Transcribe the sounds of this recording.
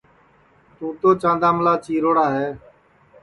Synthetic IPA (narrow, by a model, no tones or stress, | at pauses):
t̪ũːt̪oːt͡ʃãːnd̪aːmlaːt͡ʃiːɾoːɽaːɦeː